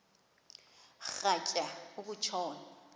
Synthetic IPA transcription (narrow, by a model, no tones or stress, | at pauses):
χacʼaʊkʊt͡ʃʰɔːna